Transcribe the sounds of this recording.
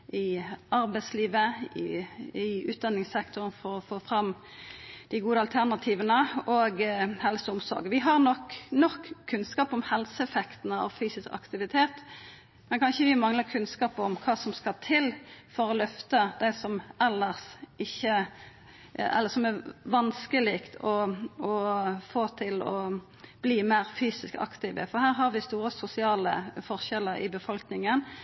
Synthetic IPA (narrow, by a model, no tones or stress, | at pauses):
ɪɑɾbæɪsliːʋəɪ̰ɪʉ̰ːt̪̚d̪ɑnːɪŋsɛkt̪ʊʁənfɔʁɔfoːfɾɑm | d̪̥ɪɡuːd̪əɑlt̪ʰæʁnɑt̪ʰiːʋənəoːɡhɛlsəʊmsɔ̰ɾɡəʋɪɦɑʁnɔkːnɔkʰːʉnskɑːpɔmhɛlsəɛfɛkt̪nəɑ̰ʋfyːsɪskɑ̰kt̪ɪʋɪt̪ʰeːt̪ | mɛnkʰɑnçəʋɪmɑŋləkʰʉnskɑːpɔmkʰɑːsɔmskɑt̪ʰɪlfɔɾɔlœft̪əd̪̥æɪsɔmɛlːəʁsɪçːə | ɛ̰lːəsɔmæɾʋɑnskəliːkt̪ʰɔɔfoːt̪ʰɪlɔ | b̥liːmæːɾfyːsɪskɑ̰kt̪ɪʋə̰fɔɾhæːɾɦɑɾʋɪst̪uːɾəsʊsɪɑːlə̰fɔʁʃɛlːəɾɪ̰bəfɔlknɪŋən